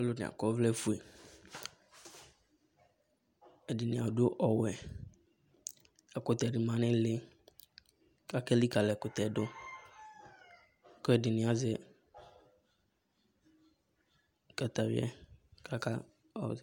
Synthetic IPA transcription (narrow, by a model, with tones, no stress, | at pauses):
a˦lʊ˦nɪ̰̃˨a̰˨kɔ˦vlɛ˦fu˦e˨ | ɛ˨dɪ˨nɪ̃˨a˨dʊ˦ʔɔ˨wɛ˨ | ɛ˨kʊ˨t̪ɛ˨dɪ˨mã˨nɪ̃˦lɪ˦ | ka˦kɛ˦li˦ka˨lɛ˨kʊ˨t̪ɛ˨dʊ˦ | ko˦ɛ˨dɪ˨nɪ̃˨˦a˨˦zɛ˦ | ka˨t̪a˨vɪ̰˦ɛ̰˦ka˦ka̰˦˨